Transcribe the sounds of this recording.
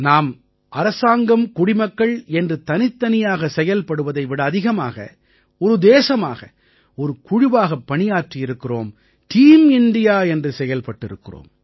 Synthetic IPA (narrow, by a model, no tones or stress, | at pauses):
naːm | ʔɐɾɐsaːŋɡɐmkʊɽɪmɐkːɐɭɛndrɯt̪ɐnɪt̪ːɐnɪjaːɣɐsɛjɐlpɐɽɯʋɐðɐɪʋɪɽɐːðɪɣɐma̰ːɣɐ̰ | ɔɾɯd̪eːsɐma̰ːɣɐ̰ | ɔɾɯkʊɻɪʋaːɣɐpːɐɳɪjaːʈrɪjɪɾɯkːɪro̰ːm | ʈiːmɪnɖɪjaːɛndrɯsɛjɐlpɐʈːɪɾɯkːɪro̰ːm